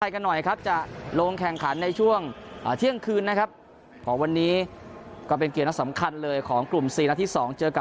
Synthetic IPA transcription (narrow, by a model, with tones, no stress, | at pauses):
a˧jka˧nːɔ˨˩jkʰa˦˥p̚t͡ɕa˨˩loː˧ŋkʰɛ˨˩ŋkʰa˩˦nːa˧jt͡ɕʰu˥˩əŋʔːt̪ʰi˥˩əŋkʰɯː˧nːa˦˥kʰa˦˥p̚ | kʰɔː˩˦ŋwa˧nːiː˦˥kɔː˥˩p̬e˧nki˨˩na˦˥sa˩˦mkʰa˧nlɤː˧jkʰɔː˩˦ŋklu˨˩msiː˨˩na˧t̪ʰiː˥˩sɔː˩˦ŋt͡ɕɤː˧ka˨˩